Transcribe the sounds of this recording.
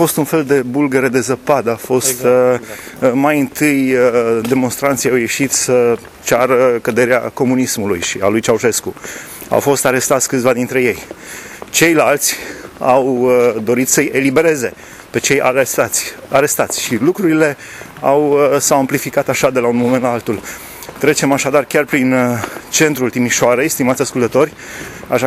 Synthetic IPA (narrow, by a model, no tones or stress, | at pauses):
afo̞st̪unfe̞ld̪e̞bulɡeɾe̞d̪e̞zəpad̪əafo̞st̪ | majɨnt̪ɨjd̪e̞mo̞nst̪ɾant̪sijawje̞ʃit̪sʲə | t͡ʃaɾəkəd̪e̞ɾea̰ko̞munismulujʃia̰lujt͡ʃauʃe̞sku | a̰wfo̞st̪aɾe̞st̪at̪sʲkɨt̪sʲvad̪int̪ɾe̞je̞j | t͡ʃe̞jlalt̪sʲawd̪o̞ɾit̪səje̞libe̞ɾe̞ze̞ | pe̞t͡ʃe̞jaat̪sʲaɾe̞st̪at̪sʲʃilukɾuɾile̞ | awsawamplifikat̪aʃad̪e̞launmo̞me̞nt̪laalt̪ul | t̪ɾe̞t͡ʃe̞maʃad̪arkʲarpɾint͡ʃe̞nt̪ɾult̪imiʃoaɾe̞jst̪imat̪sʲaskult̪ət̪o̞rʲ | aʃa